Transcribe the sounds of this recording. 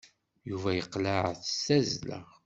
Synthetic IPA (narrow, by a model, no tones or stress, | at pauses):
juvæjəqlaʕθə̥sæzlæ̰ʁ